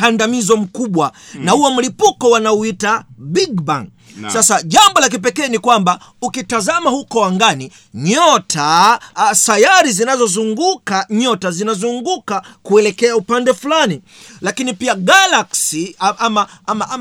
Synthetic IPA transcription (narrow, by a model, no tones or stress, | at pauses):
kandamizɔm̩kuɓwanahuɔm̩lipukɔwanauitabiɡba̰ŋ | sasaʄambɔlak̬ip̬ɛkɛːnikwambaukitazamahukɔwaŋɡani | ɲɔtʰa | sajaɾizinazɔzuŋɡukaɲɔtazinazuŋɡukakuɛlɛkɛaupandɛfulani | lakinipiaɡalaksiʔamaamaʔa